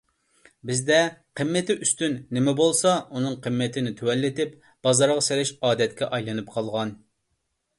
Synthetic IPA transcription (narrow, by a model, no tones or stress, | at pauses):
bɪzd̪ɛqʰəmːɛt̪ɪʔyst̪ynːɪmɛbolˠsɑunɨŋqʰəmːɛt̪ʰɪnɪt̪ʰuwɛlːɪt̪ɪp | b̥ɑzɑɾʁɑselɪʃɑːd̪ɛt̪kʲɛʔɑjlˠɨnɨpqʰɑlˠʁɑn